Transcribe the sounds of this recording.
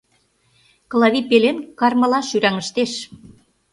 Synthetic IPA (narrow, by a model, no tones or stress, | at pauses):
klˠɑβipelenkɑrmə̆lɑʃyɾæŋə̆ʃt̪eʃ